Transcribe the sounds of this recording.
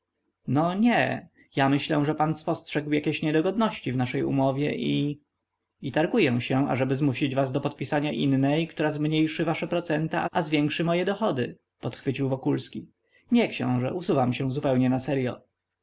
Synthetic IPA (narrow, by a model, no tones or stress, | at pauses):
nɔɲɛ̰ | jamɘɕlɛ̃ʐɛpanspɔstʂɛɡwjakʲeɕɲɛd̪ɔɡɔd̪nɔɕt͡ɕivnaʂɛjṵmɔvʲjɛ̰ʔi | it̪aɾɡujɛw̃ɕɛ̃a̰ʐɛbɘzmuɕid͡ʑvazd̪ɔpɔt̪̚pʲisaɲaʔinːɛjkt̪uɾazmɲejʂɘvaʂɛpɾɔt̪sɛnt̪aʔazvʲjɛŋkʂɘmɔjɛd̪ɔxɔd̪ɘ | pɔt̪xfɘt͡ɕiwvɔkulskʲi | ɲɛkɕɛ̰̃w̃ʐɛusuvamɕɛ̃zupɛwɲɛnasɛɾjɔ̰